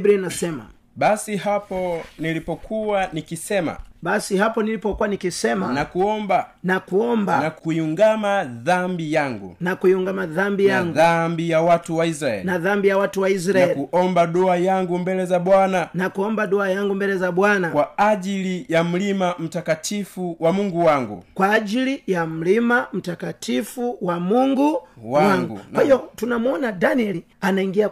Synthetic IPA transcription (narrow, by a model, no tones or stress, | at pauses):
bɾinasɛma̰ | ɓasihapɔnilipɔkʰuwanikisɛma̰ɓasihapɔnilipɔkuwanikisɛmanakuɔmbanakuɔmbanakuiuŋɡamaðambijaŋɡṵnakuiuŋɡamaðambijaŋɡðambijawatuwaisɾaɛ̰linaðambijawatuwais̬ɾaaɛlkuɔmbaɗɔajaŋɡumbɛlɛzaɓwananakuɔmbaɗɔajaŋɡumbɛlɛzaɓwanakwaaʄilijam̩limam̩takatʰifuwamuŋɡuwaŋɡṵkwaːʄilijam̩limam̩takatʰifuwamuŋɡuwawaŋɡuwahijɔtunamuɔnadaniɛli | anaiŋɡia